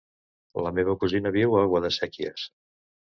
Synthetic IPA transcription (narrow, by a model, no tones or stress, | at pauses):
ləmeβəkuzinəβiwaɣwəðəsɛkiə̰s